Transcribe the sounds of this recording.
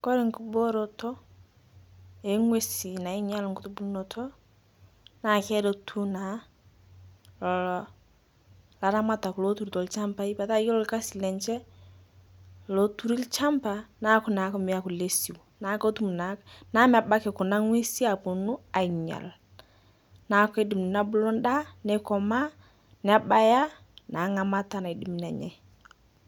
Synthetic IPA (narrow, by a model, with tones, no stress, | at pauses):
kɔ˦ɾɪ˨ŋku˦bo˦ɾɔ˨tɔ˦ | e˨˦ŋwe˦si˨na˨ɪ˦ɲa˦lŋkʊ˦tu˦bu˦nɔ˨tʰɔ˦ | na˨kɛ˦do˦tʰu˦na˨˦ | lɔ˨lɔ˨ | la˨ɾa˦ma˦ta˨ku˨lo˦tu˦ɾtɔ˨lt͡ʃa˦mpa˦i˦ba˨ta˦jɔ˦lɔ˨lka˦si˨lɛ˨ɲt͡ʃɛ˦ | lo˨tu˦ɾi˦lt͡ʃa˦mpa˨na˦kʊ˦na˨˦kɔ˦mɪ˨ja˦kʊ˨le˦si˨wna˨˦ko˦tu˦m˨na˨na˦m˦a˨ba˦kɪ˨kʊ˨na˦ŋwe˦si˦a˨pu˨nʊ˦a˨ɲa̰˨l | na˨˦kɔ˦e˦di˨m˨na˦bʊ˦lɔ˦nda˦nɛ˦kɔ˨ma˦ | nɪ˨a˦ba˦ja˦ | na˨˦ŋa˨ma˦ta˦na˨i˨di˨˦m˨nɛ˨ɲɛ̰˨